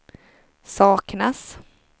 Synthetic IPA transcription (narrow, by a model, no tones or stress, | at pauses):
sɑːknas